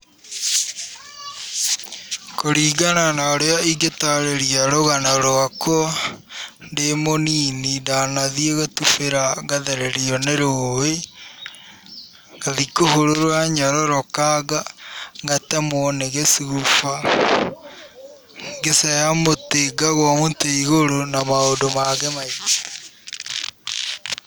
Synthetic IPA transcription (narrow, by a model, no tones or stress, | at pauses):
koɾiːɡananaoɾeaiɡetaɾeɾiaɾoɣanaɾoakwɔ | ndemoniːnindanaðieɣatufeɾaɣaðeɾeɾiɔneɾowe | ɣ̥aðikohoɾoɾwaɲaɾɔɾɔkaɡaɣatamɔneɣesiɣufa | ŋɡesajamoteɡaɣwamoteiɣoɾonamaondomaɣemaitḁ